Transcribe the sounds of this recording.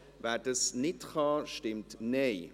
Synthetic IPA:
vadəsnɪtχɑʃtɪmtnej

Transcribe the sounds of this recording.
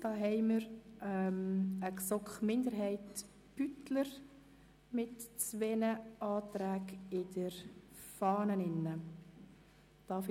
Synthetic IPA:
d̥ɑːɦɛɪməɾɛməksɔkχmɪndəɾɦɛɪt | b̥ytləɾ | mɪtt͡sʋɛnəɑːtɾæːɡɪd̥əɾ | fɑːnənɪnːə | d̥ɑːf

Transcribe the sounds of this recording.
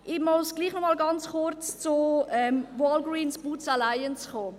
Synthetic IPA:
ʔɪmɔsɡ̥liːχnɔmɑːlɡɑnt͡sχʊɾt͡st͡soɛmwɔːlɡɾiːnsb̥ut͡salaɪənt͡sχoː

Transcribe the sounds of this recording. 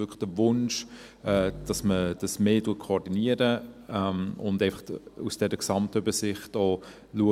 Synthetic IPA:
ʏkləχd̥əvʊnʃ | ɛːd̥ɑsməd̥ɑsmeːtuːət̚kʰoɔdiniəɾəɛmʊ̰ndɛɪfɑχusd̥ɛɾəksɑmtøbəsɪχtɔː | luə

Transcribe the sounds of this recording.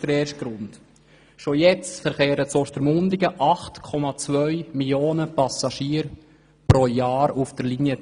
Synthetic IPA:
d̥əɾeːɾʃt̚ɡ̥ɾʊnt | ʃojɛt͡stfəɾχeːɾət͡sɔʃtəɾmʊndɪɡəʔɑχtkʰɔmɑt͡svœʏmiljoːnəpɑsɑʃiːɾ | pɾojaːɾufd̥əɾliniə

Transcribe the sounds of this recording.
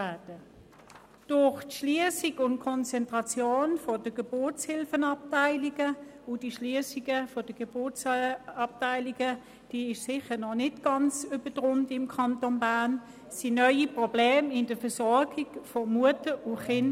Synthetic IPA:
aɐd̥ə | d̥ʊχtʃliəsiɡʊntkʰɔnt͡sɛntʁɑt͡sjoːnfodəɡ̥eb̥ʊt͡shɪlfənɑp̚taɪliɡ̥əʊd̥iʃliəsiɡ̥əfod̥əɡ̥ebʊt͡sɑp̚taɪliɡ̥ə | d̥iːɪʃsɪχənɔnɪdɡ̥ɑnt͡syb̥ədʁʊntɪmkʰɑntonbaɐn | sinœʏipʁob̥leːmɪnd̥əfəsɔɐɡiɡ̥fomuətəʊχɪn

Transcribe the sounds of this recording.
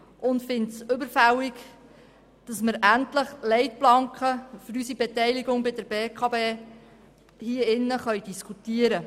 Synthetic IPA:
ʔʊntfɪntsɵbəɾfæwɪk | d̥ɑsməɾæntləχlɛɪtblɑŋkχəfʏɾysibɛtɛjliɡʊŋbɪdəɾbeːkʰɑːbeː | hiəɪnːəχœɥdiskʰutiəɾə

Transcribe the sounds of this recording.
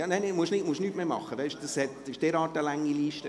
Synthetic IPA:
jɑːnæɪnɛmuəʃnɪtmuəʃnyːtmeːmɑ̰χːəʋɛɪʃd̥ɑshɛt̪ɪʃd̥ɛːɾɑːtəlæŋːiliːʃtə

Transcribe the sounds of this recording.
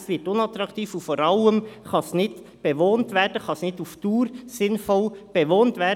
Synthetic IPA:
sʋɪtʊnɑt̪ɾɑktiːfufɔɾɑləmχɑsnɪd | b̥eʋoːntʋɛːɾdəχɑsnɪduftuːɾsɪnfɔlb̥ɛʋoːntʋɛː

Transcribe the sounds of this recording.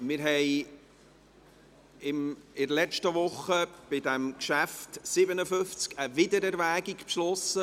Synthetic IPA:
mɪɾɦɛɪ | ɪmɪdəlɛt͡ʃtəʋʊχəb̥ɪdɛmkʃæftsɪbənəfʏft͡skəvɪdəɾɛɾvæːɡikpʃlɔsə

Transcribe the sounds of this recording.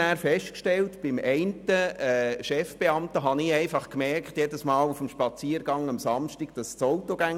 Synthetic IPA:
æːɾfɛʃtkʃtɛltb̥ɪmɛɪntəɛːʃɛfb̥eɑmtəɦɑnɪɛɪfɑχkmɛrkχtjedəsmɑːlufm̩ʃpɑt͡siːɾɡ̥ɑŋɑmsɑmʃtiɡ̥d̥ɑst͡soʊtoɡ̥æŋ

